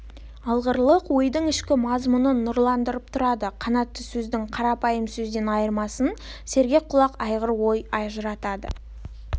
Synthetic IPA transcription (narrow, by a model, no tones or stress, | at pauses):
ɑlˠʁəɾlˠəqwo̞jd̪əɴɪʃkʲɪmɑzmʊnənʊɾlˠɑnd̪əɾəp̚t̪ʰʊɾɑd̪əqʰɑnɑt̪ːəsɵzd̪ɪŋqʰɑɾɑpɑjəmsɵzd̪e̞nɑjəɾmɑsən | se̞ɾɡʲe̞k̚qʰːʊlˠɑqɑjʁəɾwo̞jɑʒəɾɑt̪ɑd̪ə̰